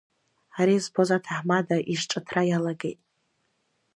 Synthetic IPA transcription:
aɾizbozatʰaħmadaʔiʂʈ͡ʂʼatʰrajalaɡejtʼ

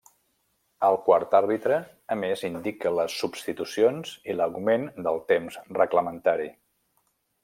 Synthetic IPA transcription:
əlˠkwaɾt̪aɾβit̪ɾəː | mezind̪ikələsːubst̪it̪usionz̥iləɣumend̪əlˠt̪emzrəɣləmənt̪aɾi

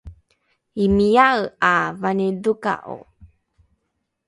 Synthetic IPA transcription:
imijaɰavaneduka̰ʔo̰

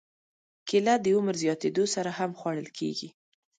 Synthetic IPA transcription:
kɪlad̪əʊməɾzjɑt̪ed̪osaɾahamxwɑɽ̃əlkʰḛɡi

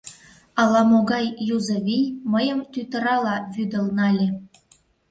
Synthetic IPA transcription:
ɑlɑmoɡɑjːuzɤ̆vʲijmə̆jɤ̆mt̪yt̪ə̆ɾɑlɑβyd̪ə̆lnɑlʲĕ

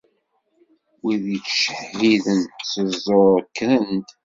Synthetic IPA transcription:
wiðit͡sːʃəħviðənt̪səzˤoɾkːɾənt̪

